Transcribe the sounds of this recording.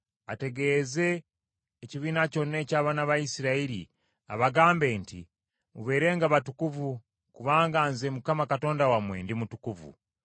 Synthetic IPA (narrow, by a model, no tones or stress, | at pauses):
a̰te̞ɡe̞ze̞ː | ciβiːnaco̞nːe̞caːβanaβaisiɾaiɾḭ | a̰βaɡaːmbe̞ːntḭ | muβe̞ːɾe̞ːŋɡaβatukuvu | kuβaːŋɡaːnzemukamakato̞ːndawamwe̞̰ːndimutukuvṵ